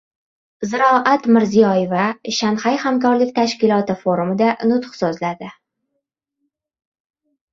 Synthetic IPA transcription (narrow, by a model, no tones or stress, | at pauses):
zɪɾɒʔat̪mɪɾzijɒjevaʃanhajhamkɒɾlɪkʲt̪ʰaʃkʲɪlˠɒt̪ɪfoɾumɪd̪anʊt̪χsozlad̪ɪ